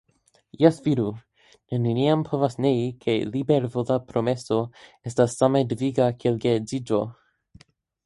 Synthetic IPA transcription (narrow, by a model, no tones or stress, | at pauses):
jɛsv̥iɾu | neniniampʰo̞vasneikʰe̞libeɾvozapɾomeso̞estasːamedviɡakeelɡezid͡ʒo̞